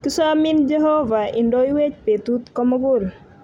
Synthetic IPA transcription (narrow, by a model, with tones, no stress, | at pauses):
kɪ˦sa˦mɪ˦nd͡ʒe˦ɦo˦va˨ɪ˨ndɔ˦i˦we˦t͡ʃpe˨tu˦t̪kɔ˦mʊ˦ɡʊ˦l